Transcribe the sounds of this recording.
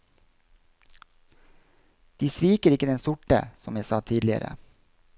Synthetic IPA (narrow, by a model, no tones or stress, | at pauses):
d̪̥iːsʋiːkəɾɪkəd̪ɛnsʊʈə̰sɔmjæsɑːt̪ʰiːd̪lɪə̰ɾə̰